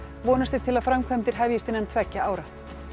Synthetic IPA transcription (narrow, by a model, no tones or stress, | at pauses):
vɔːnast̪ɪɾ̥t̪ʰɪlaðfɾamkʰvœmt̪ɪɾ̥ɦɛvjɪst̪ɪnɛnt̪ʰvɛcːaaːwɾa